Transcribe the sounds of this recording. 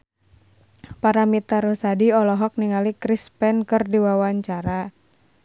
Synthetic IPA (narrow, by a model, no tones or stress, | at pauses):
paɾamit̪aɾusadiɔlɔɦɔk̚niŋalikɾispɛnkɨrdiwawaɲt͡ʃaɾa